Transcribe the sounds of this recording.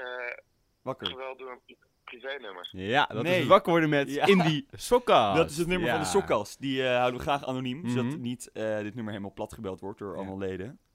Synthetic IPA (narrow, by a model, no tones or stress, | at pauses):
ʋɑkəɹəʋɛlˠdʊːɹən | plivejnøməɹjadnejʋɑkəʋɔɹdəmɛtɪndisokɑdɑtɪsətnøməɹvɑndəsɔkːɑstdiəɦawdəʋəχraːχa̰ːnonimɔsdɑtnitədɪt̚nøməɹejləmalˠplɑtχəbɛlˠtʋɔɹt̚dʊːɹɑ̰lˠmalˠlejdə